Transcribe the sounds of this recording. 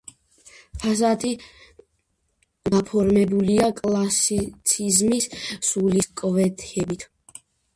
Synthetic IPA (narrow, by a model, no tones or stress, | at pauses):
pʰazat̪ʰʼi | d̪apʰɔɾmɛbuliakʼlˠasit̪sʰizmisːuliskʼɔvɛt̪ʰɛbit̪ʰ